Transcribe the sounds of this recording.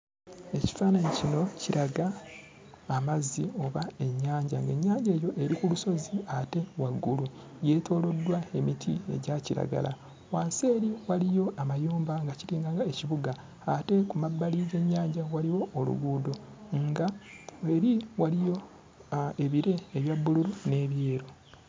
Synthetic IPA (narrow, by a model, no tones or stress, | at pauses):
e̞ci̥faːnaɲicino̞ciɾaɡaː | mazio̞βae̞ɲːaːɲɟa̰ŋɡe̞ɲːaːɲɟe̞ːjo̞ʔe̞ɾikuluso̞ziate̞waɡːulu | je̞ːtʰo̞ːlo̞dːwae̞mitʰḭe̞̰ɟaciɾa̰ɡa̰la̰ | waːse̞ːɾiwalijo̞amajuːmbaŋɡaciɾiːŋɡaŋɡaeciβuɡaː | te̞kumabːaliɡe̞ɲːaːɲɟawaliwo̞ːlṵɡuːdo̞ | ŋɡae̞ɾiwalijo̞ | e̞βiɾe̞ːβjabːuluɾune̞ːβje̞ːɾo̞